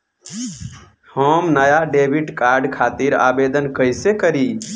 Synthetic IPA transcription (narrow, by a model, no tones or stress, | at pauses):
həmnəjaɖebʱiʈkaɾɖkʰat̪iɾa̰bed̪ənkəjsekəɾi